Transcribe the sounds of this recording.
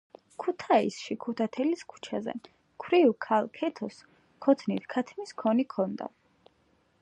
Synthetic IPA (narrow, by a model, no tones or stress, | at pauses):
kʰut̪ʰaisʃikʰut̪ʰat̪ʰɛliskʰu̥t͡ʃʰazɛ̰ | kʰɾiukʰalˠkʰɛt̪ʰɔs | kʰɔt̪ʰnit̪ʰkʰat̪ʰmiskʰɔnikʰɔnd̪a̰